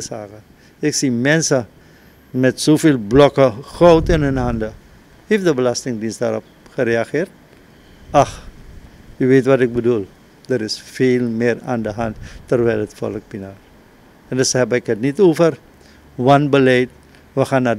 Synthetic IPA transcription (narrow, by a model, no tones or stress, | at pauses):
əsaːkə | ɪksimɛnsə | mɛtsoːfeːlˠblɔkəχowtɪnɦɵnɦandə | hefdəbəlastɪŋdinsdaːɾɔp̚ | χəɾeaχɪːrt̚ | ax | yʋeːtʋatɪk̚bədulˠ | dəɾɪsfeːlˠmɪːra̰ːndəɦanttːərʋɛlətfɔ̰lək̚pinaːr | ɛndəsɦɛbəɪkɦətnitoːfər | ʋanbəlɛjt̚ | ʋəxaːna